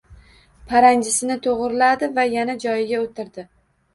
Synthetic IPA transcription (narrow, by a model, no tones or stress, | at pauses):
pʰaɾaŋd͡ʒɪsɪnɪt̪ʰoʁɾɪlad̪ɪvajanad͡ʒɒjɪɡʲaot̪ʰɪɾd̪ɪ